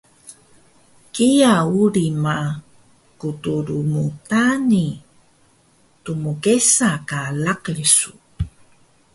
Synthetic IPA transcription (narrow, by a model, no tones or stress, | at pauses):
kijauɾima | kutuɾumutani | tumukesakalakɭisu